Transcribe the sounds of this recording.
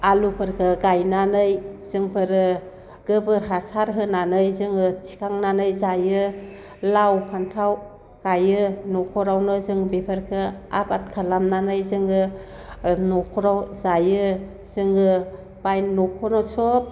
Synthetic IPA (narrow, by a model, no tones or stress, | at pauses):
alupʰɯɾkʰɯɡajnanɯjz̥ɯŋpʰɯɾɯ | ɡ̥ɯbɯɾɦasaɾɦɯnanɯjzɯŋɯt͡ʃi̥kʰaŋnanɯjzajɯ | lawpʰantʰaw | ɡ̥ajɯnɔkʰɔɾawnɯzɯŋbepʰɯɾkʰɯa̰bat̚kʰalamnanɯjzɯŋɯ | nɔkʰɔɾawzajɯ | z̥ɯŋɯ | b̥ajnːɔkʰɔnɔsɔp̚